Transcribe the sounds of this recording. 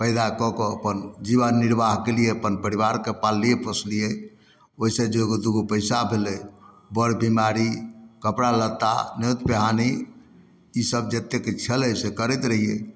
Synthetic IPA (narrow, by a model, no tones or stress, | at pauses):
pəɪd̪akɔkɔəpənd͡ʒibənːiɾbaɦkelijeəpənpəɾiβaɾkepalːijepəsʰlije | oisẽd͡ʒeɡod̪uɡopəɪsabʱelɛ | bəɾbimaɾikəpɽalət̪ːa̰net̪peɦaniː | səb̚d͡ʒet̪eket͡ʃʰələsekəɾɛt̪ɾəɦije